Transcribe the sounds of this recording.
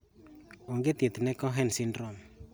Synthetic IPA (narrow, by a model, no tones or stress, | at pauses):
oŋɡet̪jet̪nɛkɔɦɛnsindrɔm